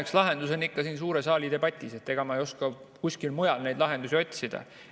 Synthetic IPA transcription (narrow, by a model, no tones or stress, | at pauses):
ekslɑɦe̞nd̪use̞nikːɑsiːns̬uːɾe̞sɑːlid̪e̞bɑt̪ʲːˑise̞t̪ːe̞ɡ̥ɑmɑejo̞skɑ | kusʲkilmujɑlnejd̪lɑɦe̞nd̪us̬ʲio̞t̪ʲsid̪̥ɑ̰